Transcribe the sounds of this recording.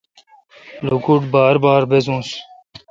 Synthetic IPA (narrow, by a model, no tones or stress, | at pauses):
lukuʈbaːɾbaːɾbezũːs